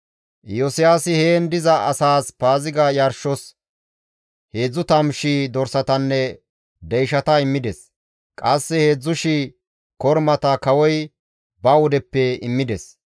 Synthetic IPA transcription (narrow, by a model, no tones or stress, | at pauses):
jɔsɪjaːsɪheːnd̪ɪzɐʔɐsaːspaːzɪɡɐjɐɾʃɔs | he̞ːd͡zːʊt̪ɐmʃiːd̪ɔɾsɐt̪ɐnːɛ | d̪ɛjʃɐt̪ɐɪmːɪd̪ɛs | kʼɐsːɛhe̞ːd͡zːʊʃi | kɔɾmɐt̪ɐkɐwɔj | bɐwɔd̪ɛpːɛɪmːɪd̪ɛs